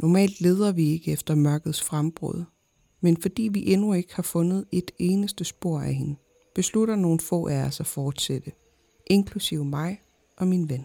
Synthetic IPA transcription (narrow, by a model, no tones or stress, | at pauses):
nɒmɛ̰ːld̥le̝ːð̞ˠɐʋie̝ɡ̥əefd̥ɐmɶɐɡ̥ð̩ˠsfʁamb̥ʁɔ̰ð̞ˠ | menfɒ̽d̥ḭːʋiʔenue̝ɡ̥əhɑ̈fɔ̽nð̞̩ˠe̝d̥e̝ːnəsd̥əsb̥o̝ɐ̰æhe̝nə | b̥e̝sluɾɐno̝ːn̩fɔ̰̽ːʔæɐsæfɒːd̥sed̥ə | ʔe̝nkʰlusiʊmɑ̈ɪ | ʔɒ̽minʋen